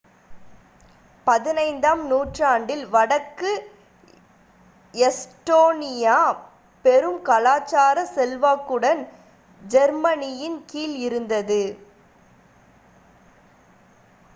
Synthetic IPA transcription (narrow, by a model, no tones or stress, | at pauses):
pɐðɪnɐɪnd̪aːmnuːʈraːɳɖɪlʋɐɽɐkːɯ | ɛsʈoːnɪjaː | pɛɾɯmkɐlaːt͡ʃːaːɾɐsɛlʋaːkːɯɽɐn | d͡ʒɛɾmɐnɪjɪnkiːlɪɾɯnd̪ɐðɯ